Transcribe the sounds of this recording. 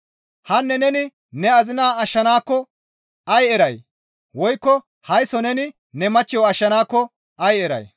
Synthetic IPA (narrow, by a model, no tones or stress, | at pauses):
hɐnːɛnɛnɪ | nɛɐzɪnaːɐʃːɐnaːkːɔ | ɐjɛɾɐj | wɔjkːɔ | hɐjsɔnɛnɪ | nɛmɐt͡ʃːɪjɔɐʃːɐnaːkːɔ | ɐjɛɾɐ̰j